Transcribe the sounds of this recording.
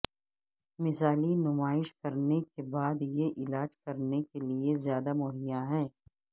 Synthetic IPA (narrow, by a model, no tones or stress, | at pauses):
mɪzaːlinʊmaːɪʃkɐɾnekebaːd̪jeʔɪlaːd͡ʒkɐɾnekeliezjaːd̪amʊɦɪjaɦɛː